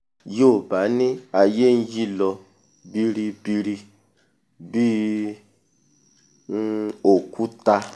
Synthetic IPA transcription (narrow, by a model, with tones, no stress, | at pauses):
jo˦˨ba˨˦nĩ˦a˨je˦n̩˦ji˦lɔ˧ | bi˧ɾi˧bi˧ɾi˧ | bi˦ | o˨ku˦ta˧